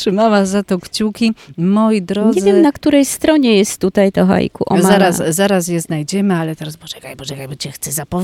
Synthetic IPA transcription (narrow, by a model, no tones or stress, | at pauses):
tʂɨmawazat̪ɔkt͡ɕukʲimɔjid̪ɾɔɲɲɛzvjɛmnakt̪uɾɛjst̪ɾɔɲɛjɛst̪ːut̪ajt̪ɔɦa̰jkṵʔɔ̰maaɾasːaɾas̬jɛznajd͡ʑɛmɘalɛt̪ɛɾasbɔʐɛkajbɔʐɛkajbɔt͡ɕɛxt̪sɛzapɔ